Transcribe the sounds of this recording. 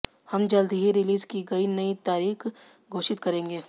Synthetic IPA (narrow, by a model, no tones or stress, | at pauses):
hɐmd͡ʒɐld̪ʱiɦiɾɪliːzkiɡɐinɐit̪aːɾiːx | ɡʱoːʃɪt̪kɐɾẽːŋɡeː